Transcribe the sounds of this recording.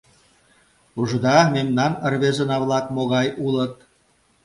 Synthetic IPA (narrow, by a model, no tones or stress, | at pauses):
uʒə̆d̪ɑmemnɑnə̆rβezə̆nɑβlɑkmoɣɑjulə̆t̪̚